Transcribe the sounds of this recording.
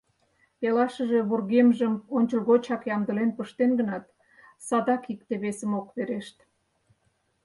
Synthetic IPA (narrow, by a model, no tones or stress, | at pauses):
pelɑʃəʒe̽βurɣemʒəmonʲt͡ɕəlɣot͡ɕɑkjɑmd̪əlenpəʃt̪enɡənɑt̪ | sɑd̪ɑkik̚t̪eβesəmokβeɾeʃt̪